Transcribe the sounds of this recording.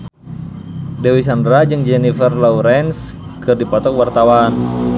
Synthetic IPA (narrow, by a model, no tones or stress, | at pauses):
dɛwis̬andɾad͡ʒɨŋd͡ʒɛnifərlɔwɾɛns | kɨrdipɔt̪ɔkwart̪awan